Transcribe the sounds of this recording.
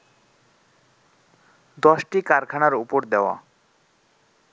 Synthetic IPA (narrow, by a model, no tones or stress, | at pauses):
d̪ɔʃʈikaɾkʰanaɾupoɾd̪eoa̰